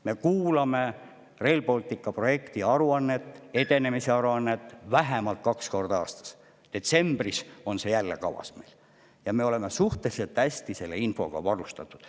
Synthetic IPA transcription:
me̞kuːlɑme̞ | re̞ːlpo̞lʲt̪ˑikːˑɑpro̞je̞kt̪iɑɾuɑnːe̞t̪ːˑe̞d̪e̞ne̞mise̞ɑɾuɑnːe̞t̪ːˑvæɦemɑlt̪̚kɑksko̞rd̪̥ɑɑ̰ːst̪ɑ̥s | d̪̥e̞t̪se̞mb̥riso̞nse̞jælːe̞̰kɑ̰vɑ̰sme̞̰jl | jɑme̞o̞le̞me̞suht̪elise̞lt̪ːæsʲt̪ise̞lːeinfo̞̰ɡ̥ɑ̰vɑɾust̪ɑt̪ːˑud̪̥

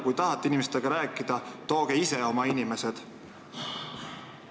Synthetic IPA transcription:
kujt̪ɑɦɑt̪ːˑeinimest̪eɡ̥ɑɾæːkːˑid̪̥ɑt̪o̞ːɡ̥eise̞o̞mɑinime̞se̞d̪̥

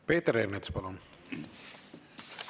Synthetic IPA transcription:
peːt̪eɾernet̪spɑlon

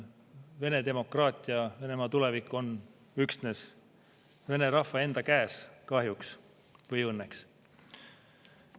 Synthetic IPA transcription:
ve̞ne̞d̪e̞mo̞krɑːt̪ʲːˑiɑve̞ne̞mɑːt̪ule̞vikːˑo̞n | yksne̞s | ve̞ne̞ɾɑhːɑe̞nd̪̥ɑkæːskɑɦjuks | vɤjɤnːeks

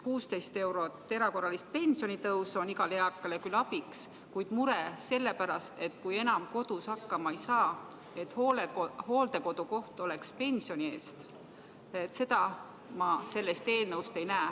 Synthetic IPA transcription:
kuːst̪e̞jst̪e̞wɾo̞t̪ːe̞ɾɑko̞rːɑlist̪̚pe̞nʲsio̞nit̪ɤwso̞niɡ̥ɑleɑkːˑɑlekylɑbiks | kujd̪̥muɾese̞lːe̞pæɾɑst̪e̞t̪kujenɑmko̞d̪̥ushɑkˑːɑmɑejsɑː | e̞t̪hoho̞ːld̪̥e̞ko̞d̪uko̞ht̪o̞le̞kspe̞nʲsio̞nie̞̰ːst̪ | et̪ːse̞d̪ɑ | mɑse̞lːe̞st̪eːlnɤwst̪e̞jnæː

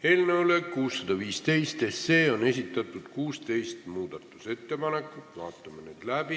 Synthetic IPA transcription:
e̞ːlneolekuːsːɑd̪̥ɑviːst̪e̞jst̪eseːo̞ne̞sʲit̪ːˑɑt̪ːˑud̪̥kuːst̪e̞jst̪muːd̪̥ɑt̪ːˑu̥se̞t̪ːe̞pɑne̞kːˑut̪vɑ̰ːt̪ˑːɑmenḛd̪̥læb̥i

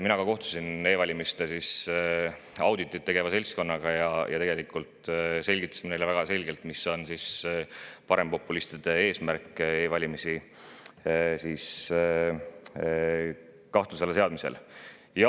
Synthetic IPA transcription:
minɑkɑko̞ht̪u̥sine̞ːvɑlʲimist̪esis | ɑwd̪it̪ːˑit̪̚ːe̞ɡ̥e̞vɑse̞lʲsko̞nːɑɡ̥ɑjɑjɑt̪eɡelikˑult̪ˑse̞lʲɡit̪ːˑɑ̥simenelevæɡ̥ɑse̞lʲɡe̞lt̪miso̞nsis | pɑɾe̞mpo̞pːˑulist̪id̪̥e̞e̞ːsmærkːˑe̞ːvɑlʲimisi | sis | kɑht̪uselese̞ɑd̪̚misḛl | jɑ

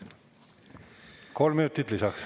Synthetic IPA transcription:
ko̞lmynut̪ːit̪lisɑks

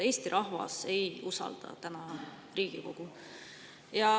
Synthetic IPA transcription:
e̞ːst̪iɾʔɑɦvɑ̰se̞jusɑ̰ld̪̥ɑ̰t̪ænɑ | riːɡ̥iko̞ɡ̥u | jɑ

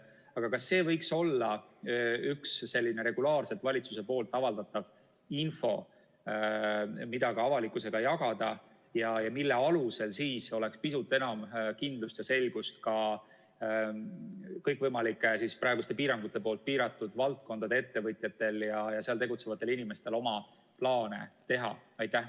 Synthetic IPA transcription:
ɑɡ̥ɑkɑsːe̞ːvɤjkso̞lːɑ | yksːe̞lʲːine̞ɾe̞ɡ̥ulɑːrse̞t̪vɑlʲit̪suse̞po̞ːlt̪ːˑɑvɑld̪ɑt̪ːˑɑv | info̞ | mid̪̥ɑkɑɑvɑlikːuse̞ɡ̥ɑjɑɡɑd̪̥ɑ | jɑjɑmilːe̞ɑluse̞lsiːso̞le̞kspisut̪ːˑenɑmkind̪̥lust̪jɑse̞lʲɡ̥ust̪kɑ | kɤjkvɤjmɑlikːˑesispɾɑeɡust̪e̞piːɾɑŋɡ̥ut̪ːˑe̞poːlt̪̚piːɾɑt̪ːˑud̪̥vɑlt̪̚ko̞nd̪̥ɑd̪e̞e̞t̪ːe̞vɤt̪ʲˑjɑt̪ːˑe̞ljɑjɑseɑlt̪e̞ɡut̪se̞vɑt̪ːˑe̞linime̞st̪e̞lo̞mɑ | plɑːne̞̰t̪e̞ɦɑ̰ɑjt̪ːˑæh

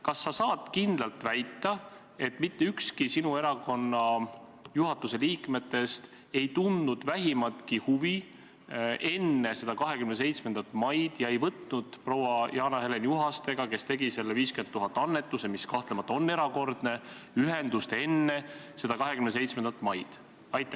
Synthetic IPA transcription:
kɑsːɑsɑːd̪̥kind̪lɑlt̪væjt̪ːˑɑ | e̞t̪ːˑmit̪ːe̞ykskisinue̞ɾɑko̞nːɑjuɦɑt̪ːˑuse̞liːkme̞t̪ːe̞st̪ | e̞jt̪und̪nud̪̥væɦimɑt̪kihuvi | ʔe̞nːe̞se̞d̪ɑkɑɦe̞kymnese̞jt̪smend̪ɑt̪ːˑmɑjd̪̥jɑe̞jvɤt̪nud̪̥pro̞wɑjɑːnɑhelenjuɦɑst̪e̞ɡ̥ɑke̞st̪e̞ɡ̥ise̞lːeviːskymeuɦɑt̪ːˑɑnːe̞t̪ːˑuse̞miskɑht̪lemɑt̪ːˑo̞nːe̞ɾɑko̞rd̪̥ne̞ | yɦend̪ust̪e̞nːe̞ | se̞d̪ɑkɑɦe̞kymnese̞jt̪sme̞nd̪ɑt̪ːˑmɑjd̪̥ | ɑjt̪ːˑe

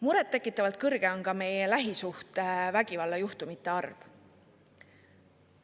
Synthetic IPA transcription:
muɾɛt̪ːe̞kːˑit̪ːˑɑvɑlt̪̚kɤrɡ̥e̞o̞nkɑme̞jelæɦisuht̪evæɡ̥ivɑlːɑjuht̪umit̪ːˑe̞ɑrv̥

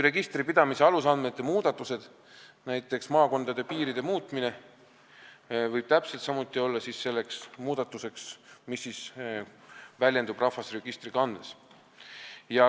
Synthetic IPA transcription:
re̞ɡ̥ist̪ripid̪̥ɑmise̞ɑlusɑnme̞t̪ˑːe̞muːd̪̥ɑt̪ːˑuse̞d̪̥ | næjt̪ːˑe̞ksmɑːko̞nd̪̥ɑd̪e̞piːɾid̪e̞muːt̪ˑmine̞ | vɤjb̥̚t̪æpselt̪sɑmut̪ːˑio̞lːɑsisːe̞lːe̞ksmuːd̪̥ɑt̪ːˑuse̞ksmisːis | vælʲje̞nd̪ub̥rɑfɑsre̞ɡ̥ist̪rikɑnes | jɑ

